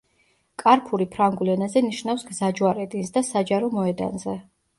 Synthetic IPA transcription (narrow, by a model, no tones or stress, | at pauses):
kʼaɾpʰuɾipʰɾaŋɡulɛnazɛniʃnafsɡzad͡ʒwaɾɛd̪insd̪asad͡ʒaɾɔmɔɛd̪a̰nzɛ